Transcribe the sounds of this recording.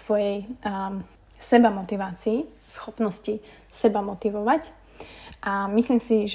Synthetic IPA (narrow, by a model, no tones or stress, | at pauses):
ʋɔjɛj | sɛbamɔt̪iʋaːt͡siː | sxɔpnɔsci | sɛbamɔt̪iʋɔʋac | ʔamisliːmsiʒ